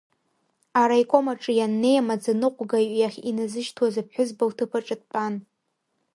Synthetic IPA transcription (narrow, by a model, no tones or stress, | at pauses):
aɾajkʷʼo̞maʈ͡ʂʼɨjanːe̞jamad͡zanɨqʷʼɡaijaχʲinazɨʃtʰwazap̚ʰħʷᶣʊzbawtʰɨpʰaʈ͡ʂʼɨt̚ʰʼpʼan